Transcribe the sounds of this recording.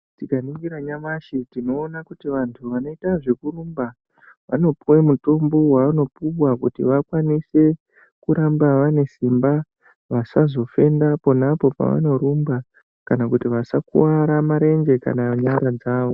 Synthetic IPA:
tikaniŋɡiɾaɲamaʃitino̞ːnakutiʋantʰuʋano̞itaʐe̞kuɾumba | ʋa̰no̞puwemuto̞mbo̞waʋano̞puwakutiʋakwanise̞ | kuɾambaʋane̞simba | ʋasazo̞fe̞ndapo̞napo̞pa̰ʋa̰no̞ɾumba | kanakutiʋasakṵwaɾamaɾe̞nd͡ʒe̞ka̰naɲaɾad͡zaːʋo̞

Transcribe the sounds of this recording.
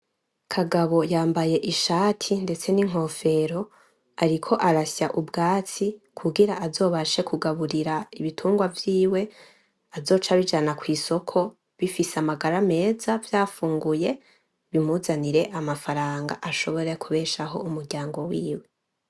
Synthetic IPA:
kʰaɡaβo̞jaːmbaje̞ʔiʃaːtʰinde̞t͡se̞niŋ̥ɦo̞fe̞ɾo̞ | aɾikʰo̞ʔaɾasaʔubɡaːt͡sikʰuɡiɾaʔazo̞ːβaʃe̞kʰuɡaβuɾiɾaiβitʰuːŋɡwavjiːwe̞ | azo̞ːt͡ʃaβid͡ʒanakwiːso̞kʰo̞ | βifiseamaɡaɾame̞ːzavjaːfuːŋɡuje̞ | βim̥uzaniɾe̞ʔamafaɾaːŋɡa̰ʔaʃo̞βo̞ɾekʰuβe̞ːʃaɦo̞umuɾɟaːŋɡo̞wiːwe̞

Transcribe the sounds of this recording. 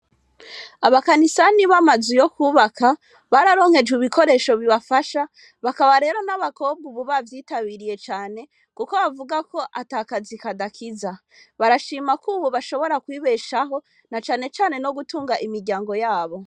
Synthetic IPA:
aβakanisaniβamazijo̞kuːβaka | βaɾaɾo̞ːŋhe̞d͡ʒɡiβikʰo̞ɾe̞ʃo̞βiβafaʃa | βakaβaɾe̞ːɾo̞naβako̞bɡuβuβavjiːtaβiɾije̞t͡ʃaːne̞ | kuko̞βavuɡako̞ʔataːkazikadakʰiza | βaɾaʃiːmakuːβoβaʃo̞βo̞ɾakwiːβe̞ʃaɦo̞ | nat͡ʃaːne̞t͡ʃaːne̞no̞ɡutuːŋɡaʔimiɾɟaːŋɡo̞jaːβo̞

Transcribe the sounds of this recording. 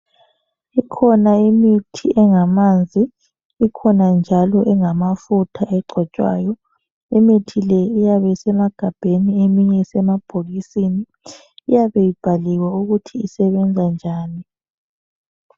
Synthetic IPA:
ikʰɔnaimitʰiʔɛŋamand͡zʱiː | kʰɔnand͡ʒʱalɔʔɛŋamafutʰaʔɛɡ͡ǀʱɔt͡ʃʼwa̰ːjɔ | imitʰilɛijaβɛsɛmaɡ̥ʱab̥ʱeniemiɲɛsɛmab̥ʱolisiniː | jaβɛjib̥ʱaliwauɣutʰiːsɛβɛnd͡zʱand͡ʒʱaːni

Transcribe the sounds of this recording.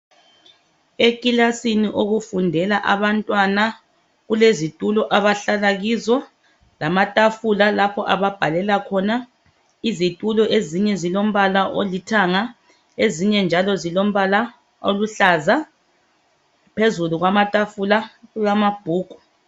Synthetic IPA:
ekʼilasiniʔoɣufundʱɛlaʔaβantʼwana | ɣulezitʼulɔʔaβaɬalaɣizwɔ | lamatʼafulalapʰɔʔaβab̥ʱalɛlakʰɔna | izitʼulɔʔeziɲɛzilom̩βalaʔolitʰaŋa | eziɲɛnd͡ʒʱalɔzilom̩βala | oluɬaza | pʰezuluɣwamatʼafulaɣujamab̥ʱuːɡ̥ʱu̥

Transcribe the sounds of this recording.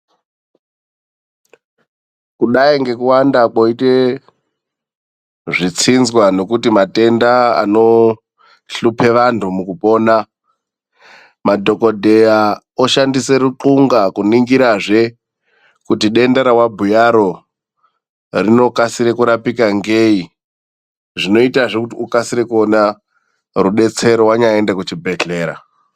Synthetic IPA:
kuɗaiŋɡe̞kuwandakoite | ʐit͡sinzwano̞kutimate̞ndaa̰no̞ | ɬupʰe̞ʋantʰumukupo̞ːna | madʱo̞ko̞dʱe̞ja | oʃandise̞ɾuǃuŋɡakuniŋɡiɾaʐe̞ | kutiɗe̞ndeɾawabʱujaɾo̞ | rino̞kasiɾekuɾapikaŋɡei | ʐino̞itaʐekutiukasiɾekuona | ruɗe̞t͡se̞ɾowaɲaendakut͡ʃibʱe̞ɬe̞ːɾa̰

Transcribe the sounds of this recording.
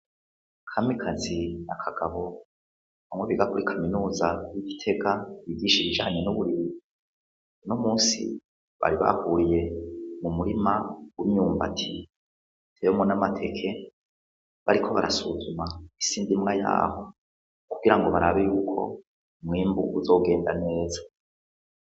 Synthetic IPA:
kʰamikʰazinakʰaɡ̥aβo̞ | βamweβiɡakuɾikʰaminuːzajiɟitʰe̞ɡajivɟiːʃiβiʒaːɲe̞nuβuɾiɾi | nomuːnsḭ | βa̰ɾiβa̰huɾije̞mumuɾimawimɲuːmba̰tʰi | tʰejomŋonamatʰe̞kʰe̞ | βaɾikʰo̞βaɾa̰suzumaisiːndimŋaja̰ːho̞ | kuɡiɾaŋɡo̞βaɾaβejuːkʰo̞̰ | mŋiːmbuuzo̞ɡe̞ːndane̞ːzḁ

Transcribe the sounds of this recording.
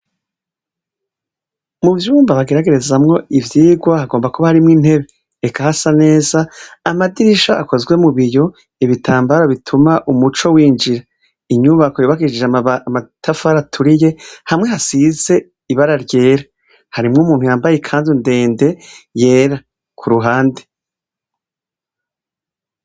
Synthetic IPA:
muvjuːmbaβaɡe̞ɾaɡe̞ɾe̞zamŋo̞ivjiːɡwahaɡo̞ːmbakuβahaɾimŋiːn̥he̞βe | ekʰahasane̞ːzaːmadiɾiʃaʔako̞zɡwe̞muβijo̞ | iβitʰaːmbaɾaβitʰumaʔumut͡ʃo̞wiːnd͡ʒiɾa | iɲuβakojuːβaɡid͡ʒid͡ʒamatʰafaɾatʰuɾije̞hamŋeɦasize̞ | iβaɾaɾɟe̞ːɾa | haɾimŋoumuːnhujaːmbajekʰaːndunde̞ːnde̞je̞ːɾa | kʰuɾuɦaːnde

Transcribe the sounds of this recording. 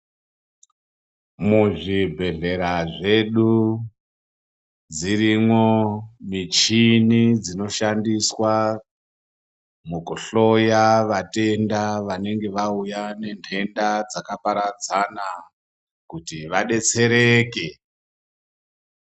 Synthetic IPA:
muʐibʱe̞ɮe̞ɾaʐe̞ɗu | d͡ziɾimwo̞mit͡ʃinid͡zino̞ʃandiswa | mukuɬo̞jaʋate̞ndaʋane̞ŋɡe̞ʋaujane̞ntʰe̞ndad͡zakapaɾad͡zana | kutiʋaɗe̞t͡se̞ɾe̞ːke̞

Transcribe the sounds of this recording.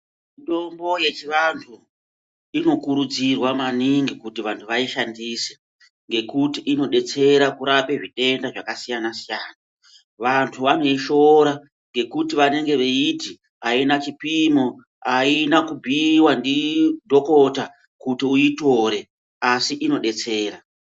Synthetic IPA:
iɗo̞mbo̞je̞t͡ʃiʋantʰu | ino̞kuɾud͡zirwamaniŋɡikutiʋantʰuʋaiʃandise̥ | ŋɡe̞kutiʔino̞ɗe̞t͡se̞ɾakuɾape̞ʐiɗe̞ndaʐakasijanasijaːna | ʋantʰuʋane̞iʃo̞ɾa | ŋɡe̞kutiʋane̞ŋɡe̞ʋeiti | ainat͡ʃipimo̞ | ainakubʱiwandidʱo̞ko̞ta | kutiuito̞ɾe̞ | asiʔino̞ɗe̞t͡se̞ːɾa

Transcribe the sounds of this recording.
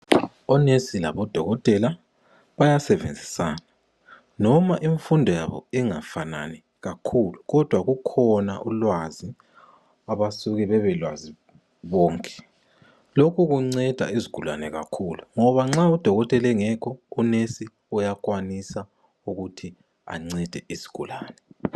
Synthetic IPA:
ɔnesila̰βɔd̥ʱɔɣɔtʼɛla | βajasɛvḛnd͡zʱisa̰ːna | nɔmaʔiɱfundʱɔja̰βɔ̰iŋafana̰nɛ | ɣakʰuluɣɔd̥ʱwaɣukʰɔna̰ʔulwazi | aβasuɣɛβɛβɛlwa̰zi | βɔːŋkʼɛ̥ | lokʰuɣuŋ͡ǀɛd̥ʱa̰iziɡ̥ʱula̰nɛɣa̰kʰuluŋɔβaŋ͡ǁaud̥ʱɔɣɔtʼɛlɛŋɛkʰɔunesi | ujak̬ʼwanisa | uɣutʰi | a̰ŋ͡ǀɛd̥ʱɛʔizi̥ɡ̥ʱulaːnɛ

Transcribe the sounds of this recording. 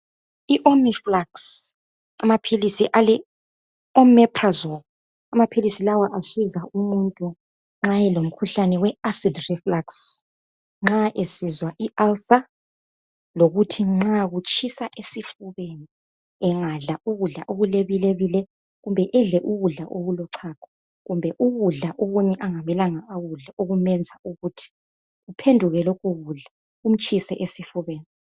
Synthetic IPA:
iʔomiflaks | amapʰilisiʔalɛ | ɔmɛpʰʼrazɔl | amapʰilisilawaʔasizaʔumuntʼu | ŋ͡ǁajɛlom̩kʰuɬanɛwɛasidrɛflaks | ŋ͡ǁaʔesizwaʔialsa | loɣutʰiŋ͡ǁaɣut͡ʃʰʼisaʔesifuβeni | ɛŋaɮaʔuɣuɮaʔoɣuleβileβilɛ | ɣumbʱɛʔɛɮɛʔuɣuɮaʔoɣulɔǀʰaːkʰɔ̥ | ɣumbʱɛʔuɣuɮaʔoɣuɲɛʔaŋamɛlaŋaːɣuɮaoɣumɛnd͡zʱauɣutʰi̥ | ɣupʰendʱuɣɛlɔkʼuɣuɮa | um̩t͡ʃʼʰisɛʔesifuβeːni

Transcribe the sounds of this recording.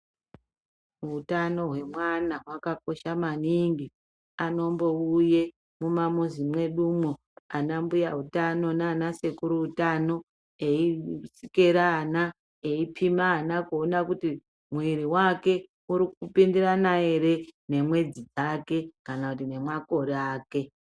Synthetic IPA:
utano̞ɦwe̞mwanawakako̞ʃamaniŋɡi | ano̞mbo̞uje̞ | mumamuzimwe̞ɗumo | anambujautano̞naːnase̞kuɾuutano̞ | eisikeɾaːna | eipʰimaːnakuonakuti | mwiɾiwake̞ | uɾikupindiranae̞ɾe̞ne̞mwe̞d͡zid͡zake̞kanakutine̞mwako̞ɾaːke̞

